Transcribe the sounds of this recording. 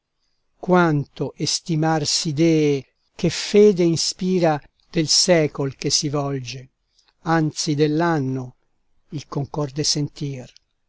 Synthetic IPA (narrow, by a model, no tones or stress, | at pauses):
kwant̪oʔest̪imarsid̪ɛːe | kefeːd̪einspiːɾa | d̪̥elsɛːkolkesivɔld͡ʒe | ant̪sid̪elːanːo | ilkoŋkɔrd̪esent̪iːr